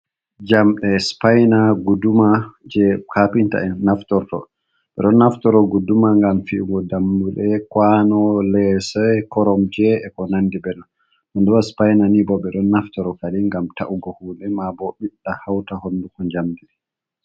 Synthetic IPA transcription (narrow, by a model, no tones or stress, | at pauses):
d͡ʒamɗɛspajnaɡudumad͡ʒɛkʰapinta̰ɛnːaftɔɾtɔ̰ | ɓɛ̰ɗɔnːaftɔɾɔɡudumaŋɡamfiuɡɔdamːulɛkwanɔlɛsɛkɔɾɔmd͡ʒɛɛkɔnandibɛɗɔn | ɗɔndɔwaspajnanibɔɓɛɗɔnːaftɔɾɔkaliŋɡamtaʔuɡɔhuːlɛmabɔɓiɗːahawtahonːdukɔɲd͡ʒamdiɛ